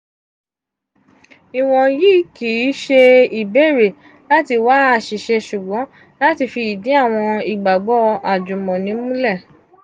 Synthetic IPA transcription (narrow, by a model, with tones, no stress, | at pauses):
i˨w̃ɔ̃˨ji˦ki˨˦ʃe˧i˨be˦˨ɾe˨ | la˦ti˧wa˨˦a˦˨ʃi˨ʃɛ˧ʃu˨ɡ͡bɔ̃˨˦ | la˦ti˧fi˧i˨dĩ˨˦a˦˨w̃ɔ̃˧i˨ɡ͡ba˨ɡ͡bɔ˦a˨d͡ʒũ˨mɔ̃˨nĩ˨˦mũ˦lɛ˦˨